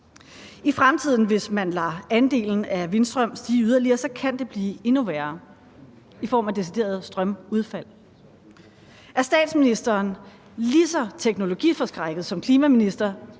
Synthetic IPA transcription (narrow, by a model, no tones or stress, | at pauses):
ifʁamt͡sʰið̞̰ˠn̩ʋe̝smænlɑ̈ːænd̥e̝̰ːln̩æʋe̝nsd̥ʁœm̰sd̥iːyðˠɐliɐsɒ̽kʰænd̥e̝b̥liːe̝nuʋæːɐ | ifɒ̰ːmæd̥e̝sid̥e̝̰ːɐð̞ˠsd̥ʁɶmuð̞ˠfæl̰ | ʔæɐsd̥ɛ̰ːd̥sminisd̥ɐːn | lisɒt͡sʰeɡ̥no̝lo̝ɡ̥ḭːfɒ̽sɡ̥ʁaɡ̥əð̩ˠsɒ̽mkʰliːmæminisd̥ɐ